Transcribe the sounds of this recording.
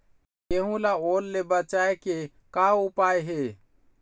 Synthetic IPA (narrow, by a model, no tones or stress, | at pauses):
jeɦũlaoːlːebət͡ʃaːeke | kaʊpaːeɦe